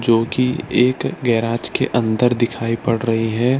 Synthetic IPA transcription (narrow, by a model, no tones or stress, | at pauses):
d͡ʒoːkieːkɡɛːɾaːd͡ʒkḛʔɐ̃nd̪əɾd̪ɪkʰaːipɐɽɾɐɦiɦɛː